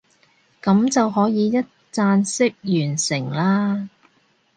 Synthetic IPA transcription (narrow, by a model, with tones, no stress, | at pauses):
kɐ˨˥mt͡sɐ˨wɦɔː˨˥jiː˨˧jɐ˥t̚t͡saː˧nsɪ˥k̚jyː˨˩nsɪ˨˩ŋlaː˥